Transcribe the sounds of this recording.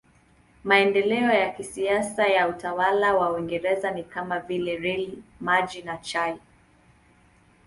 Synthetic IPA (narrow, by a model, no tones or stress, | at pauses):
maɛndɛlɛɔjakisiasajautawalawawiŋɡɛɾɛzanikamavilɛɾɛlimaʄinat͡ʃaj